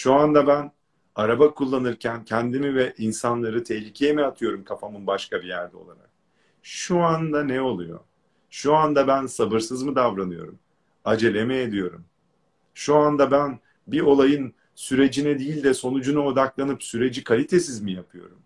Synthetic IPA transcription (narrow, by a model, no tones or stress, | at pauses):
ʃuand̪abæn | aɾabakʰulˠːanɯɾcʰæncʰɛnd̪imivɛʔinsanlˠaɾɯt̪ʰɛhlʲicʰɛjemɛat̪ʰɯjo̞ɾumkʰafamɯnbaʃkabijæɾd̪ɛo̞̰lˠaɾa̰k̚ | ʃuand̪anɛo̞lˠujo̞̰ | ʃuand̪abænsabɯɾsɯzmɯd̪avɾanɯjo̞̰ɾum | ad͡ʒe̞lʲemɛed̪ijo̞ɾum | ʃuand̪abæn | bio̞lˠajɯn | syɾe̞d͡ʒinɛd̪iːlʲd̪ɛso̞nud͡ʒunuod̪aklˠanɯpsyɾe̞d͡ʒikʰalʲit̪ʰe̞sizmijapʰɯjo̞̰ɾum